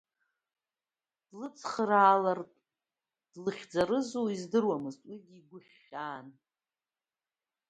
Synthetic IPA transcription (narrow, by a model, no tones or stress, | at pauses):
d̥lɨt͡sʰχraːlartʼ | d̥lɨχʲd͡zaɾɨzoizdɨrwamɨztʼwiɡʲiːɡʷʊχʲ | aːn